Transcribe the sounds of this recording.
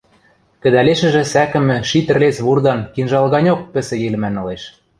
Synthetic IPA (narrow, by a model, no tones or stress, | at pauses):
kɘ̆d̪æleʃɘ̆ʒɘ̆sækɘ̆mɘ̆ʃit̪ɘ̆rlet͡sβurd̪ɑnkinʒɑlɣɑnʲok̚pɘ̆sɘ̆jelɘ̆mænŏleʃ